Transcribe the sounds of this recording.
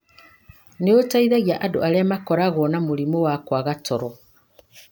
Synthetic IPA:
neotaiðaɣiaʔadoaɾeamakɔɾaɣwɔnamoɾimowakwaɣatɔɾɔ

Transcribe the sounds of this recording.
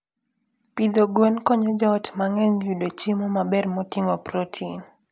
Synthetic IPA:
pid̪oɡwɛnkɔɲɔd͡ʒɔtmaŋɛŋjudot͡ʃimɔmabɛrmotiŋopɾotʰin

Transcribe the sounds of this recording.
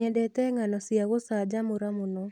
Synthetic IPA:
ɛdɛtɛŋanɔsiaɣosad͡ʒamʊɾamonɔ

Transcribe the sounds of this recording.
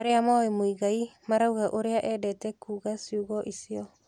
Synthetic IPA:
ɾeamaimoiɣaimaɾauɣaʔoɾeaʔɛdɛtɛkuːɣasiuɣɔʔisiɔ

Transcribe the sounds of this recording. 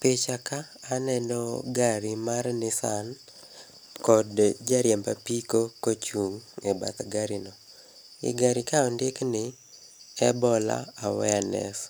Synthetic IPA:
pet͡ʃakaːnɛndɔɡaɾimarnɪsan | kɔdd͡ʒaɾjɛmbapikokot͡ʃuŋɛba̰t̪ɡaɾinɔ | ɪ̰ɡaɾikaɔndɪknɪ | ɛbɔla̰awɛanɛ̰s

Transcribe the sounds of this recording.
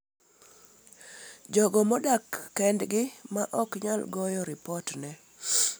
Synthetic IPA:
d͡ʒɔɡɔmɔdakːɛndɡɪmaʔɔkɲalɡɔjɔɾɪpɔtnɛ

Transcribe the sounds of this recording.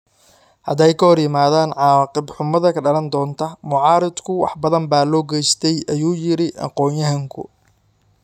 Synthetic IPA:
hɐd̪ɛjkʰɐhɔrjɪmaːðaːnʕɑːqɪbħʊmɐðɐkʰɐɖɐlɐnd̪ɔːnt̪ʰɐmʊʕɑːɾɪd̪kʰʊwɑ̰ħbɐðɐmbaːlɔːɡɛjst̪ʰɛjʔɐjuːjɪɾɪʔɑ̰qɔːnjɐɦɐŋkʰʊ̰

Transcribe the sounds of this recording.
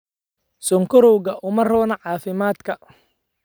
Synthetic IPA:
sɔŋkʰɔɾɔwɣɐʔʊmɐrɔːnɐʕɑːfɪmaːd̪kʰɐ

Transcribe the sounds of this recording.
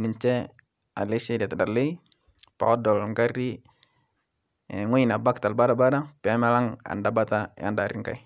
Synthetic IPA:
niɲt͡ʃɛ | alɛsidiat̪adarlei | pa̰ɔdɔlŋɡaɾi | ŋuinabak̚t̪albaɾabaɾapɛamalaŋa̰ndabat̪aj̰a̰ndaɾiŋka̰i

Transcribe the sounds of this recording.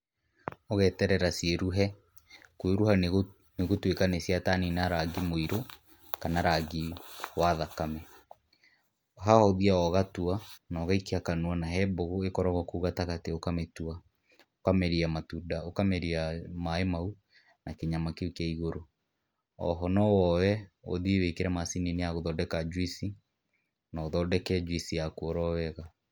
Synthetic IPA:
ɔɣɛtɛɾɛɾaseɾuɦɛ | kweɾuha | neɣotwekanesjataninaɾaɡimoiɾo | kanaɾaɡiwaðakamɛ | ɦahɔðiaɔɣatuanɔːɣaikeakanuanaɦɛboɣoekɔɾaɣɔkuɣataɣateokametwa | okamɛɾiamatudaokamɛɾiamaemau | nakeɲamakeokaiɣoɾo | ɔ̰ɦɔnɔwɔwɛo̰ðiewekeɾɛmasineneaɣoðɔdɛkad͡ʒwisi | naːðɔdɛkɛd͡ʒwisijakwɔɾɔwɛɣa

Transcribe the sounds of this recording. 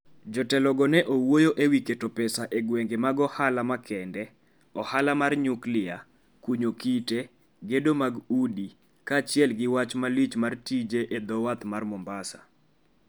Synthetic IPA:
d͡ʒɔtɛlɔɡɔnɛʔowojoʔewiketopɛsaʔeɡweŋɡemaɡɔhalamakʰɛndɛ | ɔhalamarɲuklɪa | kuɲokite | ɡedomaɡudi | kat͡ʃɪɛlɡɪwat͡ʃmalit͡ʃmartid͡ʒeʔed̪ɔwat̪marmɔmbasa

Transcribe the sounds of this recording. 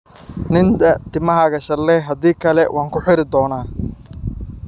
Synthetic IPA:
nɪnd̪ɐt̪ʰɪmɐɦɐɣɐʃɐlɛːɦɐd̪iːkʰɐlɛwʔɑːŋkʰʊħɪɾɪd̪ɔːnaː

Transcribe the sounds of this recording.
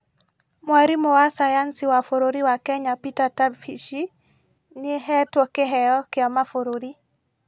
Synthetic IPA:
mwaɾimowasajansiwafoɾoɾiwakɛɲapitatabfiʃi | niɦɛtwokeɦɛjɔkɪamafoɾoɾi

